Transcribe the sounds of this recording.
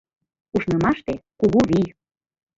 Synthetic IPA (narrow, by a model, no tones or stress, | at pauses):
uʃnɤ̆mɑʃt̪ekuɣuβij